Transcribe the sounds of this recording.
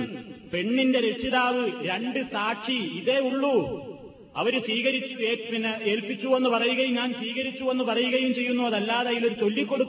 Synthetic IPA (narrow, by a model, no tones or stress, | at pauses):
pe̞ɳːinde̞ɾet͡ɕːiðaːʋɨɾe̞ɳɖɨsaːʈʂiiðe̞uɭːu | ɐ̰ʋɐɾusʋiːɣɐɾit͡ɕːueːpinɐe̞ːlpit͡ɕːuenːupɐrɐjuɣɐjumɲaːnsʋiːɣɐɾit͡ɕːuʋe̞nːupɐrɐjuɣɐjumt͡ɕe̞jːunːuɐðɐlːaːðɐjilo̞ɾut͡ɕo̞lːikʲːo̞ɽukː